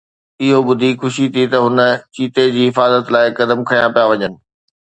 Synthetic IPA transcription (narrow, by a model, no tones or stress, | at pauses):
ɪɦobʊd̪ʱixʊʃit̪ʰit̪ɐɦʊnə̆t͡ɕiːt̪ed͡ʑiːɦɪfaːzət̪laːɪkɐd̪əmkʰɐjãpijaʋɐɲənɪ̆